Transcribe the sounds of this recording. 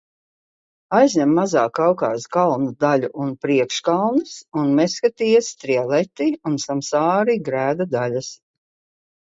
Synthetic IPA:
ajzʲɲʲɛmːazaːkawkɑ̰ːskalˠnud̪alʲuʔunpɾiɛkʃkalˠnɨsunmɛskat̪iːast̪ɾiɛlˠɛt̪iunsamsaːɾiɡɾæːd̪ad̪alʲas

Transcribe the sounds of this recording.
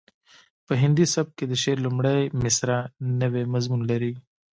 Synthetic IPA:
pəɦɪnd̪isɐb̚ked̪əʃeɾlumɽajmɪsɾanəwemɐzmunlɐɾi

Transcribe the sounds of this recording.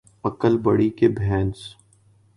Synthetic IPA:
ɐkəlbəɽikebʱɛ̃ːns

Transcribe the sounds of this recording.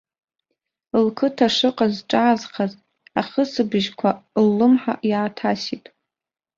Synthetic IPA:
ɨlkʰɨtʰaʂɨqʼazʈ͡ʂʼaːzχʰaz | aχəsɨbɨʒkʷʰalːɨmħa̰ʔjaːtʰasitʼ

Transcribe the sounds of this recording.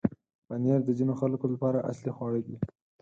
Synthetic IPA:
panjaɾd̪əzinoxalkolapɑɾaʔa̰slixwɑɽəɡi

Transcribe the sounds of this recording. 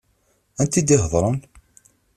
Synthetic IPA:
ænt̪id̪iɦðˤɾˤən

